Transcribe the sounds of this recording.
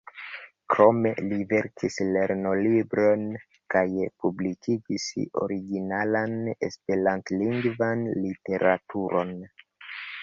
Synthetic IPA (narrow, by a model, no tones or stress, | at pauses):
kɾo̞me̞live̞ɾkʰisle̞ɾno̞libɾo̞n | kajpublikʰid͡ʒiso̞̰ɾiɡinalane̞̰spe̞ɾantliŋɡvanlite̞ɾʔatuɾo̞n